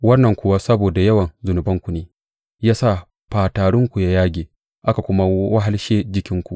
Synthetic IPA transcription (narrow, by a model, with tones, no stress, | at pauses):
wɐ˦nːɐ˨ŋkʷʊ˦wa˦sɐ˦boː˨da˨jɐ˦wɐ˨nzʊ˨nʊ˨bɐ˦ŋkʷu˨neː˨ | jaː˦sa˦˨ | ɸaː˨taː˨ɽʊ˦ŋkʷu˨ja˦jaː˦ɡʲeː˨ | ʔa˦ka˨kʷʊ˦ma˦wa˦ɦa˦lʃeː˦d͡ʒɪ˦kʲɪ˦ŋkʷu˨ʔ